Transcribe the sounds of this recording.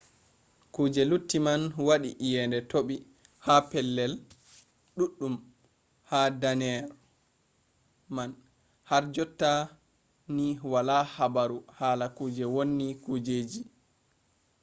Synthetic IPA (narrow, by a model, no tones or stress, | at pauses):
kuːd͡ʒɛlutːimanwaɗiʔjɛndɛtoɓi | hapɛlːɛl | ɗuɗːum | hadanɛɾ | man | haɾd͡ʒɔtːa | niwalahabaɾuhaːlakuːd͡ʒɛwonːikud͡ʒeːd͡ʒi